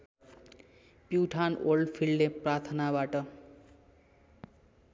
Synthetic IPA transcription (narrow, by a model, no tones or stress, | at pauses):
pjuʈʰanolɖpʰilɖneprart̪ʰnabaʈʌ